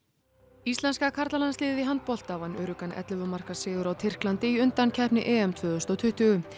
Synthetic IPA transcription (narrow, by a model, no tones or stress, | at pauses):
ist̪lɛnskakʰaɾt̪lalanslɪːððɪɦant̪̚pɔl̥t̪avanœːɾʏkanʔɛ̰t̪lvʏmar̥kasɪːðʏɾawt̪ʰɪr̥klant̪ɪiʏnt̪ancʰɛhpnɪ̰ʔɛːɛmt̪ʰvœːðʏst̪ɔwt̪ʰʏht̪ʏɣʏ